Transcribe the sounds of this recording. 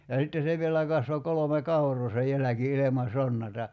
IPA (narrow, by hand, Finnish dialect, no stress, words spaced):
jɑ sitːe se ʋielæ kɑsʋo kolome kɑurˑoː se jælæki ilemɑ sonːɑtɑ